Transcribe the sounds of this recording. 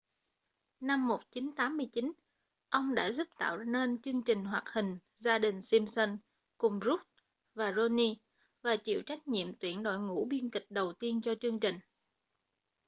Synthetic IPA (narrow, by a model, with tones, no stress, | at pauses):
na˧mːo˨˩t̚t͡ɕi˨˦nt̪aː˨˦mːɨ˧əjt͡ɕi˨˦n | ʔə˧wŋ͡mɗa̰ː˧˥zu˦˥p̚t̪a̰ː˧˨wne˧nt͡ɕɨ˧əŋt͡ɕï˨˩ŋ̟ɦwaː˨˩k̚hï˨˩ŋ̟ | zaː˧ɗï˨˩ŋ̟si˧msə˧n | kʊ˨˩ŋ͡mzu˦˥t̚ | vaː˨˩zo˧ni˧ | vaː˨˩t͡ɕḭ˧˨wt͡ɕa˦˥jk̟̚ɲḭ˧˨əmt̪wi˧˩ənɗo̰˧˨jŋṵ˧˥ɓi˧ənkï˨˩k̟̚ɗə˨˩wt̪i˧ənt͡ɕɔ˧t͡ɕɨ˧əŋt͡ɕï˨˩ŋ̟